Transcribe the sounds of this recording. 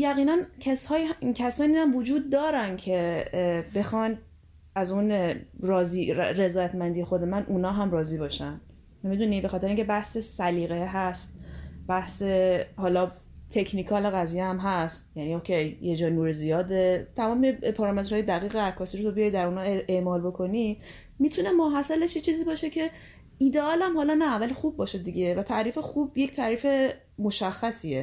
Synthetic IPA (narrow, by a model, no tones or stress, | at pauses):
jæɣiːnæncʰæshɒːjcʰæsɒːniːhæmvod͡ʒuːd̪̚ːɒːɾæncʰe̞be̞xɒn | æzunɾɒːziɾe̞zɒːjæt̪mænd̪ije̞xo̞d̪e̞mænʔuːnɒːɦæmrɒːziːbɒːʃæn | mid̪unibexɒt̪eeiŋcʰebæhsesæliːɣe̞ɦæst̪̚b̥æhse̞hɒːlɒː | t̪ʰe̞cʰnikʰɒːle̞ɣæzijeæmɦæst̪jænioːkʰe̞jjed͡ʒɒːnuːɾezijɒːd̪e̞t̪ʰæmɒːmepʰɒɾɒme̞t̪ɾhɒːjed̪æɣiːɣeækʰːɒːsiːɾot̪ʰobijɒjd̪æɾunɒːe̞ʔmɒːlbo̞kʰo̞ni | miːt̪ʰune̞moɦæsæleʃjet͡ʃʰiːziːbɒːʃe̞cʰe̞ | iːd̪eɒːlæmhɒːlɒnævælxub̚ːɒːʃed̪iɟe̞væt̪ʰæʔɾiːfe̞xuːbje̞ct̪ʰæːɾiːfe̞ | mo̞ʃæxːæsie